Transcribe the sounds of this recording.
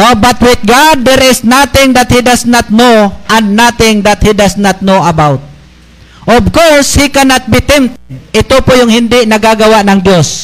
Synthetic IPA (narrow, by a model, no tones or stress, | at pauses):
ʔobat̪wɪt̪̚ɡad̪̚ːɛɾɪsnat̪ɪŋd̪at̪hid̪asnat̪̚noʔanːat̪ɪŋd̪at̪̚hid̪asnat̪̚noɐbawt̪̚ | ʔɔbkɔshikanat̪̚bɪt̪ɪmt̪ɪt̪opʊjʊŋhɪnd̪ɪʔnɐɡaɡɐwaʔnɐŋd̪jos